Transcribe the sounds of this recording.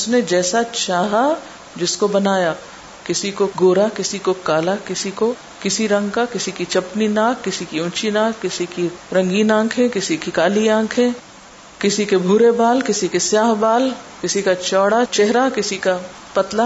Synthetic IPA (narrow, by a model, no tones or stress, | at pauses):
ʊsned͡ʒɛːsat͡ʃaːɦa | d͡ʒɪskobɐnaːja | kɪsikoɡoːɾakɪsikokaːlakɪsiko | kɪsiɾɐ̃ŋɡkakɪsikit͡ʃɐpninaːkːɪsikiʊ̃t͡ʃinaːkːɪsikiɾɐ̃ŋɡiːnãːkʰẽkɪsikikaːliãːkʰẽ | kɪsikebʱuːɾebaːlkɪsikesjaːɦbaːlkɪsikat͡ʃɔːɽat͡ʃɛɦɾakɪsika | pɐt̪la